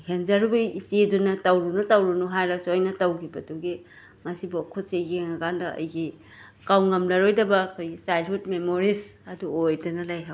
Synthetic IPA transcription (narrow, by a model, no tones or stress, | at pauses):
henzaɾubɐit͡ʃedunɐtɐwɾunɐtɐwɾunuɦajlɐsojnɐtɐwkʰibɐduɡi | ŋɐsibokʰotseɡiŋɐkandɐɐ̰jɡi | kawŋɐmlɐɾojdɐbɐkʰojɡisajlɦudmemoɾisɐduojdɐnɐlajɦaw